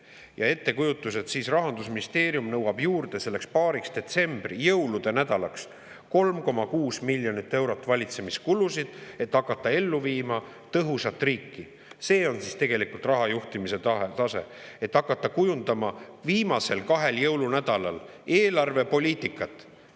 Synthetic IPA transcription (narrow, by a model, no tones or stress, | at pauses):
jɑe̞t̪ːe̞kujut̪ːˑuse̞t̪siːsrɑɦɑnd̪̥usminist̪e̞ːɾijumnɤwɑb̥juːrd̪̥e̞se̞lːe̞kspɑːɾiksd̪e̞t̪se̞mb̥rijɤwlud̪̥e̞næd̪ɑlɑks | ko̞lmko̞mɑkuːsmilʲjo̞nit̪ːe̞wɾo̞t̪ːˑvɑlʲit̪se̞miskulusid̪̥e̞t̪ːɑkːˑɑt̪ːɑe̞lːuviːmɑ | t̪ɤɦusɑt̪ːˑriːkːi | se̞ːo̞nsist̪e̞ɡ̥e̞likult̪ˑrɑɦɑjuht̪imise̞ɑt̪ɑse̞ | e̞t̪ːɑkːˑɑt̪ːɑkujund̪̥ɑmɑviːmɑse̞lkɑɦe̞ljɤwlunæd̪̥ɑlɑl | eːlɑrve̞po̞lʲiːt̪ˑikːˑɑt̪ːˑ